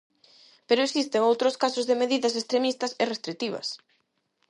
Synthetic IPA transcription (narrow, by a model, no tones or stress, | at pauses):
peɾʊesist̪eŋowt̪ɾʊskasʊzðemeðiðɐsest̪ɾemist̪ɐserest̪ɾikt̪iβɐ̰s